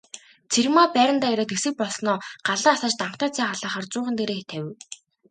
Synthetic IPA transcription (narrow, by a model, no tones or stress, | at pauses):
t͡sʰermaːpæːɾʲə̆nt̪aːjæɾɔːt̪esɘ̆k̚pɔɮsnɔːɢ̥aɮaːasaːt͡ɕt̪aɴχt̪aːt͡sʰæːχaɮaːχaːrt͡sʊːχə̆nt̪eɾeːxʰt̪ʰæw̆